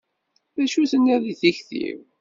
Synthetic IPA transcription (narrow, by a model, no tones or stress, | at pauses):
ðæʃuθənːiðiθiçθḭv